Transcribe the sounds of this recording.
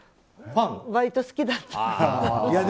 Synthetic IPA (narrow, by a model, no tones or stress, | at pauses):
fãŋβait̪osɨ̥kʲid̪at̪ː | ja